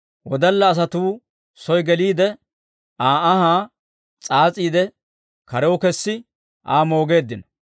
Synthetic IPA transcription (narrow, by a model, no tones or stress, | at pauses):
wɔd̪ɐlːɐːs̬ɐt̪uː | sɔjɡɛliːd̪ɛ | aːɐɦaː | t͡sʼaːt͡sʼiːd̪ɛ | kɐɾɛwɔkɛsːɪ | ʔa̰ːmo̞ːɡe̞ːd̪ːɪnɐ